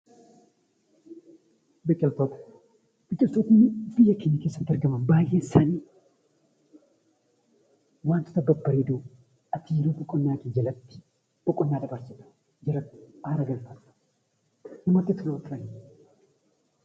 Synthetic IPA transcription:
bɪkʼːɐlt̪oːt̪ɐ̥ | b̥ɪkʼːɪlsuːkʊnːɪbɪjːɐkɪnikeːsːɐt̪ːɐɾɡɐmɐnbaːjʔeːsaniː | waːnt̪ʊ̥t̪ɐbɐbːɐɾeːd̪uː | ɐt̪ʰiːɾuːbɔkʼːɔnːaːkɪd͡ʒɐlɐt̪ːɪ̥ | b̥ɔkʼɔnːaːdɐbɐɾsɪᶑɐ̥ | d͡ʒɐɾɐt̪ɪ̥ʔaːɾɐɡɐlfɐt̪ɐ̥ | nɪmɐt̪ːɪt̪ːʊnɐt̪ɪɾɐnɪ

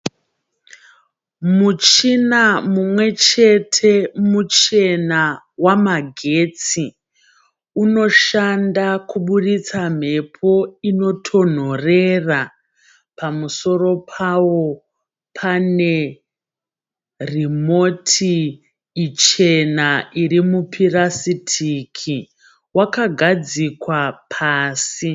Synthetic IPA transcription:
mut͡ʃinamumwe̞t͡ʃe̞tʰe̞mut͡ʃe̞na | wamaɡʱet͡si | uno̞ʃandakuɓuɗit͡sam̤e̞pʰo̞ino̞tʰo̞n̤o̞rera | pamuso̞ro̞pʰawo̞ | pʰane̞ | rimo̞tʰiː | t͡ʃe̞naʔiɾimupʰirasitʰikʰi | wakaɡʱad͡zikwapʰaːsi

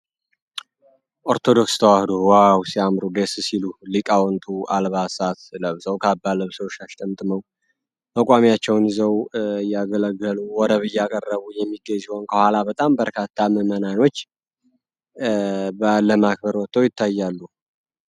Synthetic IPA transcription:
ʔoɾt̪ʰo̞d̪o̞kst̪ʰəwahɨd̪uwawsiamɾuɡessilulikʼawɔnt̪ʰuʔalβasat̪ləβsəwkʰabːaləβsəwʃaʃt̪ʼəmt̪ʼməw | məkʼamiat͡ʃːɛwnzəwjaɡələɡːəluwɔd̪əβɨjːɛakʼərːəβujɛmːiɡːəɲziho̞nkʰəhʷalabət̪ʼambəɾkʰat̪ʰːaməmənano̞t͡ʃː | bələmak̚bəɾwɔt̪ʼːəwjɪt̪ʰːajːalːu

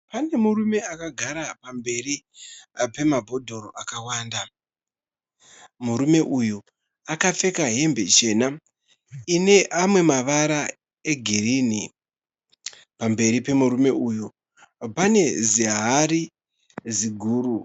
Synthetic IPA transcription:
pane̞murume̞akaɡʱaɾapambe̞ri | pe̞mabʱo̞dʱo̞ɾo̞ʔakawaːnda | muɾume̞ʔuju | akafe̞kaɦe̞mbe̞̰t͡ʃe̞ːna | ine̞ʔamwe̞maʋaɾa | e̞ɡʱirini | pambe̞ɾipe̞muɾume̞uju | pane̞ziɦaɾi | ziɡʱuːɾu

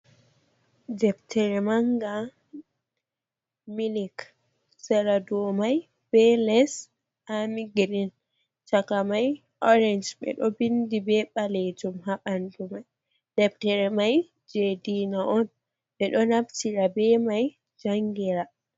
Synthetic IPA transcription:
d͡ʒɛbtʰɛɾɛmaŋɡa | milik | sɛɾadumaj | b̥ɛlɛs | amiɡɾin | t͡ʃakamaj | ʔɔɾɛnd͡ʒɓɛ̰ɗɔbindibɛɓalɛd͡ʒumɦaɓandumaj | d̥ɛptɛɾɛmaj | d͡ʒedinaʔɔn | ɓɛɗɔnabtiɾabɛmaj | d͡ʒaŋɡiɾa

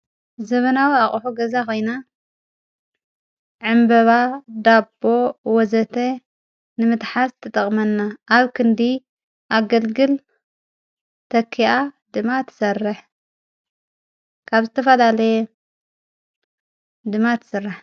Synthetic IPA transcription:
zɐβɐnawiaχʼħuɡɐzako̞jna | ʕɨmbɐβad̪abːo̞wɔzɐt̪ʰe | nɨmɨt̪ħast̪ʰɐt̪ʼɐχʼmɐnːaʔːβkʰɨnd̪i | ʔaɡɐlɡɨl | t̪ʰɐkʰːiʔa | d̪ɨmat̪ʰɨ̥sɐrːɨħ | kʰaβzɨt̪ʰɐfɐlalɐje | d̪ɨmat̪ʰɨ̥sɨrːɨħ

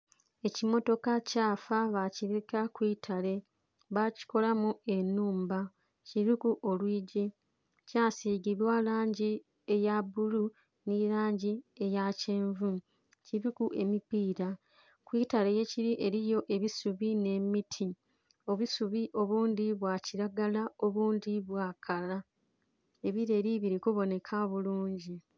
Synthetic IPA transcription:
e̞cimo̞to̞kacaːfaβaciɾekakwiːtʰale̞ | βaci̥ko̞lamue̞nːuːmba | ciɾikuʔo̞lwiːɟi | caːsiɡiβwalaːɲɟi | e̞jabulu | niɾaːɲɟie̞jaceːɱvu | ciɾikuʔe̞mipiːɾa | kwiːtaleje̞ciɾiʔe̞ɾijo̞ʔe̞βisuβine̞mitʰi | o̞βusuβiʔo̞βuːndiβwaciɾaɡalao̞βuːndiβwaːkʰala | e̞βiɾe̞ːɾiβiɾikuβo̞ne̞kʰaβuluːɲɟi

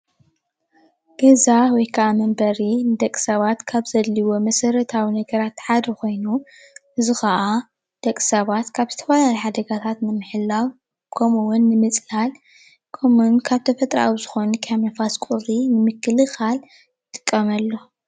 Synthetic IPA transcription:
ɡ̥ɐzawɔjkʰɐʔamɐmbɐɾinɨd̪ɐkʼsɐβat̪kʰaβzɐdliwo̞mɐsɐɾɐt̪ʰawinɐɡɐɾat̪ħad̪ɐkʰo̞jnu | ʔɨzixɐʔa | d̪̥ɐkʼsɐβat̪kʰaβzɨt̪ʰɐfalajiħad̪ɐɡat̪ʰat̪nɨmɨħɨlːaw | kʰɐmuwʊnːɨmɨt͡sʼnal | kʰomunkʰaβt̪ʰɐfɐt̪ʼɾa̰wizɨxo̞nukʰamɐfaskʼuɾinɨmɨkːɨlɨxal | jɨt̪ʼɨkʼːɐmɐlːo̞

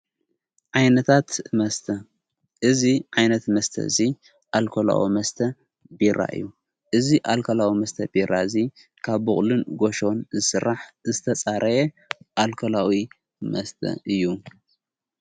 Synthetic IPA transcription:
ʕajnɐt̪ʰat̪mɐst̪ʰɐ | ʔɨziʕajnɐt̪mɐst̪ʰɐ̰zi | ʔalkʰola̰wḭmɐst̪ʰɐ | biɾa̰ʔɨ̰jːu | ʔɨziʔalkʰɐlawimɐst̪ʰɐbiɾʔaɨzi | kʰaβːɨχʼlɨnɡoʃo̞nzɨsɨɾːaħzɨt̪ʰɐt͡sʼaɾʔɐje | ʔalkʰɐlawi | mɐst̪ʰɐ̰ʔɨjːu

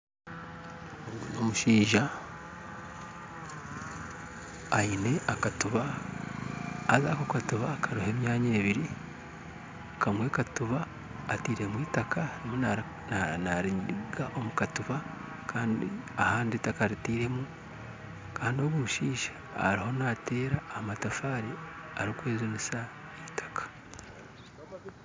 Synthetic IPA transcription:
oɡunomuʃiːʒa | ine̞ʔakatuβa | zakokatuβakʰaɾuhe̞ːmjaːɲeːβiɾi | kʰamwe̞ːkatuβaː | tiːɾe̞mwiːtakʰanimona | naɾiɾiɡaʔo̞mukatuβa | kʰaːndḭahaːnditakaɾitiːɾe̞mu | kaːndioβuuʃiːʃḁ̰ː | ɾiho̞nate̞ːɾahmatafaːɾiaɾikweːzonisaitʰḁkḁ

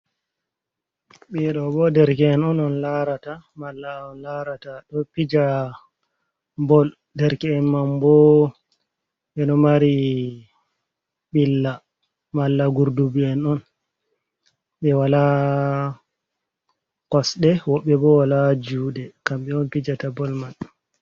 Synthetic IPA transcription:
ɓɛɗɔbɔdɛɾkɛɛnɔnɔnlaɾatamalːaɔnlaɾataɗɔpid͡ʒa | bɔl | dɛɾkɛɛnmambɔ | ɓɛnɔmaɾi | ɓilːa | malːaɡuɾdubiɛnɔn | ɓɛwala | kɔsɗɛwɔɓːɛbɔwalad͡ʒuːɗɛkamɓɛɔnpid͡ʒatabɔlmal

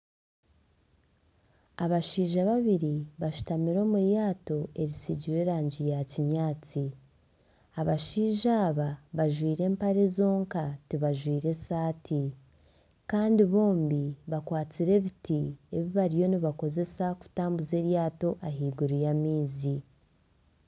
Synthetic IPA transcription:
aβaʃiːʒaβaβiɾiβaʃu̥tamiɾo̞ːmuɾjaːto̞e̞ɾisiɟiɾe̞ːɾaːɲɟijaciɲaːt͡si | aβaʃiːʒaːβaβaʒwiːɾe̞ːmpaɾe̞zo̞ːŋkatiβaʒwiːɾe̞saːtʰi | kaːndiβo̞ːmbiβakwaːt͡siɾe̞βitie̞βiβaɾijo̞niβako̞ze̞saku̥taːmbuze̞ːɾjaːto̞ʔaɦiːɡuɾujamiːzi

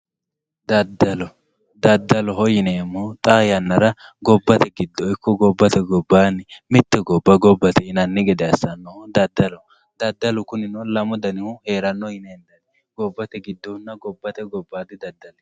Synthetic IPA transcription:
d̪ɐd̪ːɐlɔ | d̪ɐd̪ːɐlɔɦɔjɪnɛɛmːɔt̪ʼaːjɐnːɐɾɐ | ɡɔbːɐt̪ɛɡɪd̪ːɔɪkʰːɔɡɔbːɐt̪ɛɡɔbːaːnɪmɪt̪ːɛɡɔbːɐɡɔbːɐt̪ɛɪnɐnːɪɡɛd̪ɛɐsːɐnːɔd̪ɐd̪ːɐlɔ | d̪ɐd̪ːɐlʊkʊnɪnɔlɐmʊd̪ɐnɪhʊhe̞ːɾɐnːɔjɪnɛɛnd̪ɐd̪ɛ | ɡɔbːɐt̪ɛɡɪd̪ːɔnːɐɡɔbːɐt̪ɛɡɔbːaːd̪ɪd̪ɐd̪ːɐlɛ

